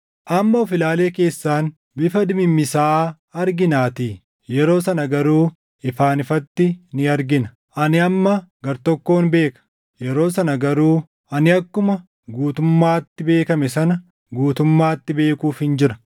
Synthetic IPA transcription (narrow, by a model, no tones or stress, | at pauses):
ʔɐmːɐʊfɪlaːle̞ːke̞ːsːaːn | bɪfɐd̪ɪmɪmːɪsaː | ɐɾɡɪnaːt̪iː | jɛɾo̞ːsɐnɐɡɐɾuː | ɪfaːnɪfɐt̪ːɪnɪɐɾɡɪnɐ̥ | ʔɐnɪɐmːɐɡɐɾt̪ɔkːo̞ːnbe̞ːkɐ̥ | jɛɾo̞ːsɐnɐɡɐɾuː | ɐnɪɐkːʊmɐ | ɡuːt̪ʊmːaːt̪ːɪbe̞ːkɐmɛsɐnɐ | ɡuːt̪ʊmːaːt̪ːɪbe̞ːkuːfhɪnd͡ʒɪɾɐ